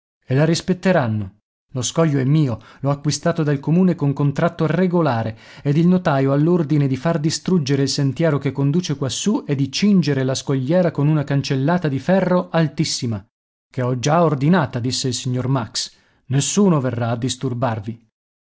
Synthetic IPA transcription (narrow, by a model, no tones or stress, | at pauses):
elaɾispet̪ːeɾanːo | loskɔjːoɛmːiːolɔakːwist̪aːt̪od̪alkomuːnekoŋkont̪ɾat̪ːoireɡolaːɾe | ed̪ilnot̪aːjoalːord̪ined̪ifard̪ist̪ɾud͡ʒeɾeilsent̪jɛːɾokekːond̪uːt͡ʃekwasːued̪ːit͡ʃind͡ʒeɾelaskoʎːɛːɾakonunakant͡ʃelːaːt̪ad̪ifɛrːoʔalt̪isːima | keɔd͡ʒaord̪inaːt̪ad̪isːeilsiɲːormaks | nesːuːnoverːaːd̪ːist̪urbarvi